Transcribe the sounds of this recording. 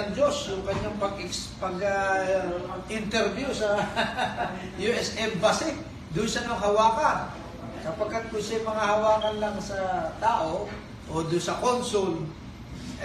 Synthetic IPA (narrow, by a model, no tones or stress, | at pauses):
ɐŋd͡ʒosjʊŋkɐɲːaŋpɐɡɪkspɐɡɐpɐɡɪnt̪ɛɾvjusɐ | juʔɛsʔɛmbɐsɪ | d̪ʊnsɐnɐŋɦɐwaːkan | sɐpɐɡ̚kːat̪̚kʊnsɛmɐŋahɐwaːkɐnlaŋsɐt̪aːʔo̞ | ʔod̪ʊnsɐkonsʊl